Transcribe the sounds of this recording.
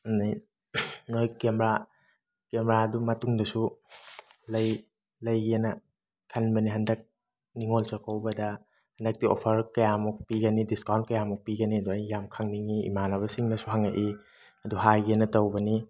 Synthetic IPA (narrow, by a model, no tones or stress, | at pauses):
naj | nojkemɾa | kemɾaɐdumɐtuŋdɐsu | lɐj | lɐjɡienɐ | kʰɐnbɐniɦɐndɐk̚ | niŋolt͡ʃɐkowbɐdɐ | hɐndɐk̚tio̰pʰɐɾkɐjamuk̚piɡɐnidiskawnt̚kɐjamuk̚piɡɐniɐduɐjːamkʰaŋniŋiḭmanɐβɐsiŋnɐsuɦaŋaʔi | ɐduɦajɡienɐtɐwbɐni